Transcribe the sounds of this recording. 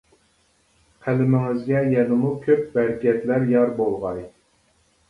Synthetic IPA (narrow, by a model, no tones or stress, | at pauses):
qʰælɪmɪŋɪzɡʲɛjɛnɪmukʲʰøp̚bæɾkʲɛt̪læɾjɑɾbolˠʁɑj